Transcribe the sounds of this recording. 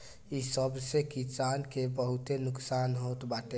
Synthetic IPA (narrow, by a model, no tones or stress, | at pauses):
isəbsekisankebəɦut̪enʊksanɦot̪baːʈe